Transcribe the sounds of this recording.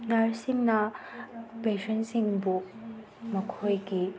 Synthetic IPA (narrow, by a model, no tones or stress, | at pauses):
nɐɾsimnɐ | pesɐnsiŋbu | mɐkʰojɡi